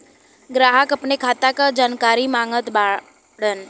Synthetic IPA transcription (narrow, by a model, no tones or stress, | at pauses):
ɡɾaɦəkəpnekʰat̪akad͡ʒankaɾimãŋɡət̪ba | ɽən